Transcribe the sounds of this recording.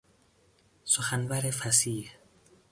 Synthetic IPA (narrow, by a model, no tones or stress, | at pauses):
soxanbaɾefæsiːh